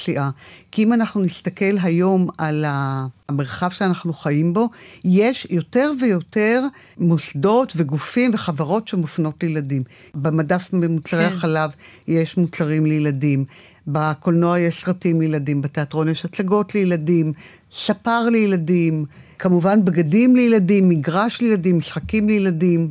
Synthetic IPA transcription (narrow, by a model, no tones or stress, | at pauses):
siʔakiimanaχnunist̪ake̞lɦajo̞malame̞ʁχavʃeanaχnuχajimbo̞je̞ʃjo̞te̞ʁve̞jo̞te̞ʁ | mosdo̞tve̞ɡufimve̞χavaʁo̞tʃemofno̞tlejeladim | bemadafmemut͡saʁehaχalav | jeʃmut͡saʁimlejeladim | bako̞lnoajeʃsʁatimlejeladimbate̞atʁo̞njeʃat͡saɡo̞tlejeladim | sapaʁlejeladimkamuvanbɡadimlejeladimːiɡʁaʃlejeladimːisχakimlejeladim